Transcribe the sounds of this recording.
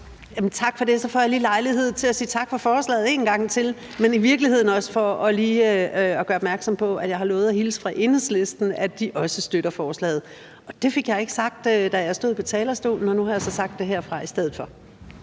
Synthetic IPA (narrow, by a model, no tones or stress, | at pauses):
jæmnt͡sʰɑ̈ɡ̥fɒ̽d̥e̝sɒ̽fɒjɑ̈liːlɑ̈ɪlihe̝ð̞̰ˠt͡sʰe̝læsiːt͡sʰɑ̈ɡ̥fɑ̈fɒːslɛ̰ːð̞̩ˠe̝ːnɡ̥ɑ̈ŋ̰t͡sʰe̝l | meniʋiɐɡ̥lihe̝ð̞̰ˠn̩ɒ̽sə̥fɒ̽ɒ̽liːɒɡ̥ɶːɐɒb̥mæɐɡ̥sɒ̽mpʰɒ̽æ̥jɑ̈ɪhɑ̈lɔːð̞̩ˠæhiːləsfʁɑ̈ʔe̝nesle̝sd̥n̩æd̥iʔɒ̽səsd̥øɾ̥ɐfɒːslɛ̰ːð̩ˠ | ɒ̽d̥e̝fe̝ɡ̥jɑ̈ɪe̝ɡ̥əsɑ̈ɡ̥̚d̥ød̥æjasd̥o̝ð̰ˠpʰɒ̽t͡sʰɛːlɐsd̥o̝̰ːln̩ɒ̽nuhɑ̈jɑ̈sɒ̽sɑ̈ɡ̥̚d̥e̝ɦeɐ̰fʁɑ̈isd̥eð̩ˠfɒ̽